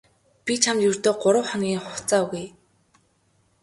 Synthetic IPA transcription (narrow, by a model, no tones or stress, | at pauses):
pʲit͡ɕʰamt̪jɵr̥ʲt̪oːɢʊɾə̆wχaŋɡʲiːŋχʊt͡saːɣuj